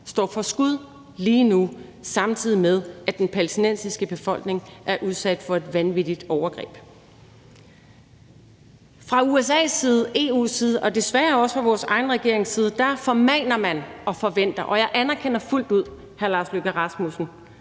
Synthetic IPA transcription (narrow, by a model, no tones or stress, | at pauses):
sd̥ɒ̰ːfɒ̽sɡ̥uð̞ˠ | liːnu | sɑ̈mt͡sʰið̰ˠimeð̞ˠʔæd̥enpʰælsd̥inensisɡ̥əb̥e̝fɒ̽l̰ɡ̥ne̝ŋʔæɐʔuð̞ˠsæd̥fɒ̽e̝d̥ʋænʋid̥id̥ɒʊɐɡ̥ʁɛ̰ːb̥ | fʁɑ̈uesɛ̰ːsːiːð̞ˠəe̝ːṵːsiːð̞ˠəʔɒ̽d̥e̝sʋæɐɒ̽sə̥fɑ̈ʋɒːsɑ̈ɪn̩ʁɛɡ̥e̝ɐe̝ŋsiːð̞ˠəd̥æfɒ̽mɛːnɐmænɒ̽fɒ̽ʋen̰d̥ɐʔɒ̽jɑ̈ɪʔænɐkʰenɐful̰d̥uð̞̰ˠ | hæɐlɑ̈ːsløɡ̥æʁɑ̈smusn̩